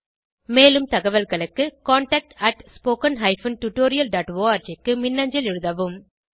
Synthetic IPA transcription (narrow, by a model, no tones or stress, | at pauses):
meːlɯmt̪ɐɣɐʋɐlɣɐɭɯkːɯkaːɳʈɐk̚ʈɐʈspoːkɐnɦɐɪfɐnʈʊʈːoːɾɪjɐlɖaːʈʋoːaːɾd͡ʒɐkːɯmɪnːɐɲd͡ʒɪlɪɻɯðɐʋɯm